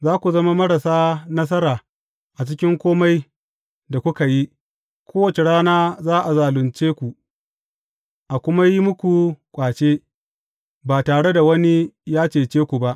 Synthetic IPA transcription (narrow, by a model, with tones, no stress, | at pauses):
zaː˦kʷu˨zɐ˦ma˦mɐ˦ɽa˨saː˦nɐ˦s̬ɐ˦ɾaː˨ | ʔa˨t͡ʃɪ˦kʲɪ˦ŋkʷoː˦ma˦j | da˨kʷʊ˦ka˨ji˦ | kʷʰoː˦wɐ˨t͡ʃe˨ɽaː˦naː˦zaː˦ʔa˨zaː˨lʊ˨nt͡ʃeː˦kʷu˨ | ʔa˨kʷʊ˦ma˦ji˦mʊ˦kʷu˨kʷʼaː˨t͡ʃeː˦ | baː˨taː˨ɽe˦da˨wɐ˦ni˦jaː˦t͡ʃeː˨t͡ʃeː˦kʷu˨ba˦ʔ